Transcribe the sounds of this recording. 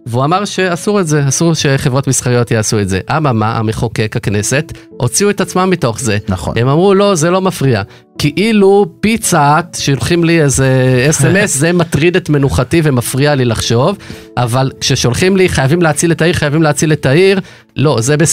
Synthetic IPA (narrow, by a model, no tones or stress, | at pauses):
veuamaʁʃe̞asuʁetze̞asuʁʃe̞χevʁo̞tmisχaʁijo̞t̪jeasue̞tze̞ʔamamaʔa̰meχo̞ke̞khakne̞se̞t | o̞t͡siuetat͡smamːito̞χze̞nχnhemamʁulo̞ze̞lo̞mafʁia | kiʔilupit͡saːtʃeʃolχimliezeesemeszematʁidetme̞nuχative̞mafʁialilaχʃo̞v | ʔavalkʃe̞ʃo̞lχimliχajavimleat͡siletaiʁχajavimleat͡siletaiʁ | lo̞zebe